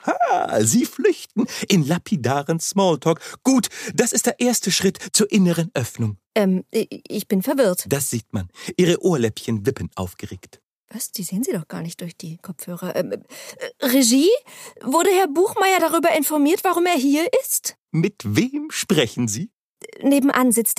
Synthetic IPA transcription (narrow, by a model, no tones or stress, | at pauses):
haːziːflʏçtn̩ʔɪnlapʰidaːʁənsmɔːltʰɔːkɡ̥uːtd̥asɪstd̥eːɐʔeːɐstəʃʁ̥ɪtt͡suːɐʔɪnəʁənʔœfnʊŋʔɛmʔʔɪçb̥ɪnfɛɐvɪɐtd̥asz̥iːtmanʔiːʁəʔoːɐlɛpçənvɪpənʔa̰ʊfɡ̥əʁeːkt | vasd̥iːzeːənziːdɔχɡ̥a̰ːɐnɪçtd̥ʊɐçd̥iːkʰɔp͡fhøːʁɐʔɛ̰ːm | ʁeʒiːvʊɐɾəhɛɐbuːxmaɪɐɾaʁyːbɐɪnfɔɐmiːɐtv̥aʁʊmeːɐɦiːɐʔɪst | mɪtveːmʃpʁ̥ɛçn̩ziː | neːbm̩ʔanzɪt͡st